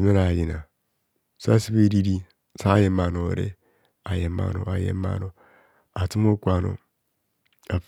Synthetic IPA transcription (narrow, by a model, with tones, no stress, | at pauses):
me˦ɾa˨ji˨na˨ | sa˦si˦be˦ɾi˦ɾi˦ | sa˦je˨ma˨no˨ɾḛ˦ | a˨je˨ma̰˨no˨a˨jḛ˦ma̰˨no˨ | a˨ti˦m˦o˦kʷa˨no̰˨ | a˨f